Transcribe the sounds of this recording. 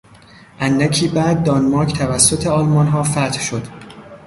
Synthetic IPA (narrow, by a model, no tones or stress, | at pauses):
ʔænːæcʰiːbæːd̪̚ːɒnmɒːɾkʰt̪ʰævæsːo̞t̪ʰe̞ɒːlmɒnɦɒːfæt̪hʃo̞d̪̥